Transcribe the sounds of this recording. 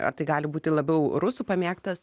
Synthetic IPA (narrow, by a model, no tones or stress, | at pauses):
ɐ̰ɾt̪ɐɪɡɑːlʲɪbuːt̪ʲɪlˠɐbʲɛʊɾʊsuːpɐmʲeːkt̪ɐs